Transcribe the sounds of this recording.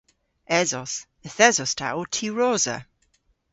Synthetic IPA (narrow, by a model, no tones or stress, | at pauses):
ɛzɔs | əθɛzɔstʰa̰wtʰiɹɔːzə̰